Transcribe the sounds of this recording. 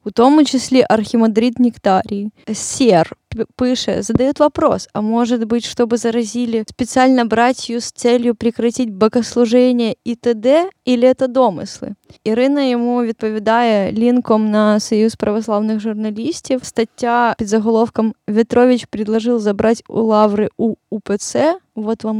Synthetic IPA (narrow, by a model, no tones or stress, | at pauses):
ʊt̪o̞mʊt͡ɕɪsʲlʲeʔɐrxʲɪmɐd̪ɾʲit̪nʲɪkt̪aɾʲɪsʲerpɨʂɨ̰zəd̪ɐjot̪vɐpɾo̞̰sɐ̰mo̞ʐɨt̪bɨtʲʂt̪o̞bɨzəɾɐzʲilʲɪspʲɪt̪sɨalʲnəbɾatʲɪjust̪sɛlʲjʊpɾʲɪkɾɐtʲitʲbəɡəslˠʊʐɛnʲɪjəit̪ɛd̪ɛilʲɪɛt̪əd̪omɨ̰slˠɨ̰ɪɾɨnəjɪmuvʲɪt̪̚pəvʲɪd̪ajəlʲinkomnɐsɐjuspɾəvɐslˠavnɨxʐʊrnɐlʲisʲtʲɪfst̪ɐtʲːapʲɪd̪zəɣɐlˠo̞fkəmvʲɪt̪ɾovʲɪt͡ɕpɾʲɪd̪lˠɐʐɨlˠzɐbɾatʲʊ̰lˠavɾɨuːpɨt̪sɛvot̪vam